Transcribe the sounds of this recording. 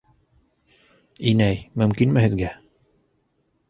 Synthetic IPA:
inæjmɵ̆mkinmɘhɘðɡæ

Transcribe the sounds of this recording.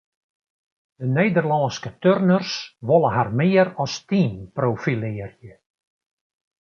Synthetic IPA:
d̥əneːdərlɔːnskətørnərsʋolˠəɦarmɪːəɾɔstinprofilɪːərjə

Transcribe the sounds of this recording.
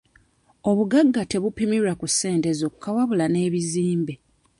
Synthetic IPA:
o̞βuɡaɡːate̞βupimiɾakusːe̞ːnte̞zo̞kukawaβulane̞ːβiziːmbe

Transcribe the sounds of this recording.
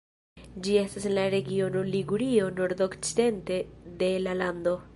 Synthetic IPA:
d͡ʒie̞stasenlaɾe̞ɡio̞no̞liɡuɾio̞no̞ɾd̪o̞kt͡side̞nte̞de̞laland̪o̞

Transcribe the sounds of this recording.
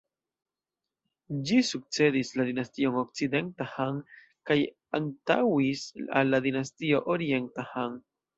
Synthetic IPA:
d͡ʒisuk̚t͡se̞d̪islad̪inastio̞ŋok̚t͡sid̪e̞ntahaŋ | kaj | anta̰wisa̰lːad̪inastio̞ʔoɾientahaŋ

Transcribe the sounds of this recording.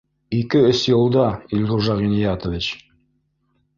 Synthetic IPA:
ikɘɵsjɤ̆lˠd̪ɑilʁuʒɑʁinijɑt̪ŏvʲit͡ɕ

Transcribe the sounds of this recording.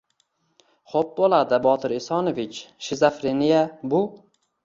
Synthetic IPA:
χop̚bolˠad̪ɪbɒt̪ʰɪɾɪsɒnovɪt͡ʃʃɪzafɾenijabʊ

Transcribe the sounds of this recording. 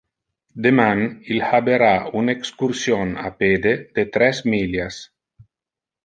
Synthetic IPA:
d̪emanilhabeɾaunekskuɾsjona̰ped̪ed̪̥et̪ɾɛsmiljas

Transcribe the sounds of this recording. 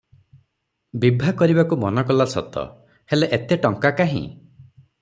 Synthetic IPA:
bibʱakɔɾibakumɔnɔkɔlasɔ̰t̪ɔ̰ | heleʔet̪eʈɔŋkakaɦḭ̃

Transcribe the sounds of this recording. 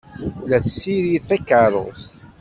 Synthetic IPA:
læθsːiɾiθækːəɾˤo̰θ

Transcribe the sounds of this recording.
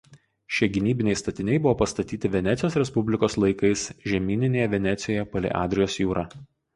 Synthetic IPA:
ʃʲeɛɡʲɪnʲiːbʲɪnʲɛɪst̪ɐt̪ʲɪnʲɛɪbʊʋoːpɐst̪ɐt̪ʲiːt̪ʲɪʋʲɛnʲɛt̪sʲɪjoːsɾʲɛspʊbʲlʲɪkoːslˠɐɪkɐɪsʒʲɛmʲiːnʲɪnʲeːjɛʋʲɛnʲɛt̪sʲɪjoːjɛpɐlʲɛ̰ʔɑ̰ːd̪ʲɾʲɪjoːsjuːɾɑː

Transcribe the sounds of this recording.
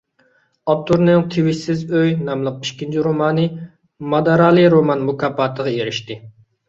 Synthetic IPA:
ɑp̚t̪ʰuɾnɨŋt̪ʰewɪʃsɪzøjnɑmlˠəq̚i̥ʃkʲint͡ʃʰiɾomɑːnɨ | mɑd̪ɑɾɑːlˠɨɾomɑnmukɑːpɑːt̪ʰəʁɑeɾiʃt̪ɪ

